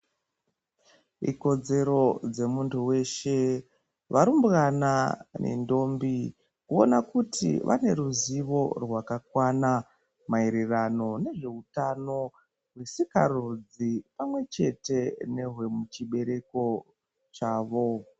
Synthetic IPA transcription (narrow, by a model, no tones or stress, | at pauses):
ḭko̞d͡ze̞ɾo̞d͡ze̞muntʰuwe̞ʃe̞ | ʋʔaɾumbɣananʔḛndo̞ːmbi | kuo̰nakutʰḭʋʔa̰ne̞ɾuziʋo̞rwakakwana | maiɾirano̞ne̞ʐe̞utano̞ | rwisikarud͡zipamwe̞t͡ʃe̞te̞ne̞ɦwe̞mut͡ʃiɓe̞ɾe̞ko̞ | t͡ʃaːʋo̞